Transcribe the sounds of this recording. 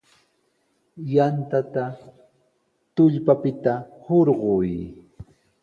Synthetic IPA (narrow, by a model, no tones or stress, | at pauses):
jant̪at̪a | t̪ʊʎpapɪt̪ahoɾɢʊj